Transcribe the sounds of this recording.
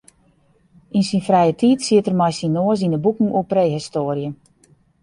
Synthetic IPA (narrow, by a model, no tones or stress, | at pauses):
insinfrɛjətʰitsiətərmajsinoəs̬inəbukŋ̩opreːɦistoːrjə